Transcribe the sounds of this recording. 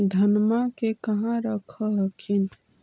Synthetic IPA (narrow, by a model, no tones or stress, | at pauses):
d̪ʱənmakekəɦãɾəkʰəɦəkʰin